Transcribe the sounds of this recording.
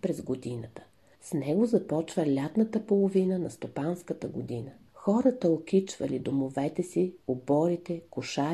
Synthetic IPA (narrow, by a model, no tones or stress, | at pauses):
pɾɛzɡod̪inət̪ə̥ | snɛɡozɐpɔt͡ʃvəlʲat̪nət̪əpolˠovinənɐst̪opanskət̪əɡod̪inəxɔɾɐt̪əok̟it͡ʃv̥ɐlid̪omovɛt̪ɛsiobɔɾit̪ɛkʊʃa